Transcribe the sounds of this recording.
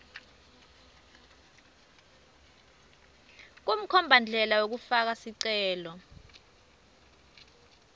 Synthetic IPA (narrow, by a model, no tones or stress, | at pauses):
k̬um̩kʰɔmbʱand͡ɮʱɛlawok̬ufak̬asiǀɛːlɔ